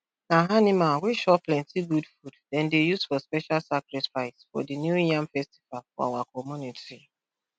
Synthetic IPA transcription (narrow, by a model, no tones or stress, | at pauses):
naɦanimawʷiʃɔplɛ̃ntiɡudfuddɛ̃ndejuzfɔspɛʃalsakɾɛfaɪsfɔ̰dinjuijãmfɛsti̥valfɔ̰a̰wakɔmuniti